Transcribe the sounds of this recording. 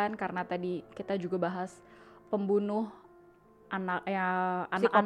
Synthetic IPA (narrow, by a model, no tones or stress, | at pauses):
ankaɾənat̪adikit̪ad͡ʒuɡabaɦaspəmbunʊh | ʔanaaanakan